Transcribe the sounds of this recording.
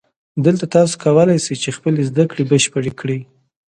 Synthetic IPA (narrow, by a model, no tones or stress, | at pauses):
d̪əlt̪at̪ɑso̥kawəlajsəjt͡ʃexpəlezd̪akɽebəʃpəɽekɽi